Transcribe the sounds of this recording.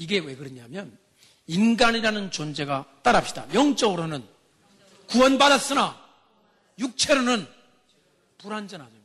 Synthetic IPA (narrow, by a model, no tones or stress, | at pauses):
iɡe̞we̞kɯɾʌɲamjʌn | inɡaniɾanɯnt͡ɕond͡ʑe̞ɡat͈aɾap̚ɕ͈ida̰jʌŋt͡ɕ͈ʌɡɯɾonɯn | kuwʌnbadas͈ɯna | juk̚t͡ɕʰe̞ɾonɯn | puɾand͡ʑʌnad͡ʑo